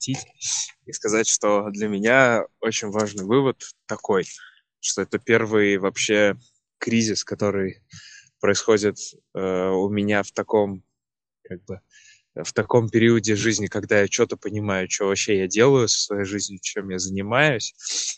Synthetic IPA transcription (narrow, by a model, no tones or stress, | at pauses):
tʲitʲiskɐzatʲʂt̪o̞d̪lʲəmʲɪnʲao̞t͡ɕɪnʲvaʐnɨjvɨvət̪ːɐko̞j | ʂt̪o̞ɛt̪əpʲe̞rvɨjvɐpɕːe | kɾʲizʲɪskɐt̪o̞ɾɨjpɾəɪsxo̞dʲɪt̪ | əʊmʲɪnʲaft̪ɐko̞m | kaɡ̚bɨ | ft̪ɐko̞mpʲɪɾʲiədʲɪʐɨzʲnʲɪkɐɡd̪ajat͡ɕot̪əpənʲɪmajʊt͡ɕɪvovɐpɕːejadʲe̞lˠəjʊsə̥svɐjejʐɨzʲnʲɪt͡ɕe̞mjazənʲɪmajʊsʲ